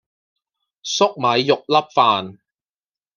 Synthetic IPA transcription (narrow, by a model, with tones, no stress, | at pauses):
sʊ˥k̚mɐ˨˧jjʊ˨k̚lɐ˥p̚faː˨n